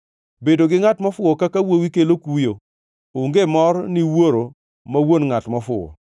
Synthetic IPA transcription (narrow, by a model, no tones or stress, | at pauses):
bedoɡɪŋatmɔfʊɔkakawowikelokujo | ʊŋɡemɔɾniwoɾo | mawonŋatmɔfʊɔ̰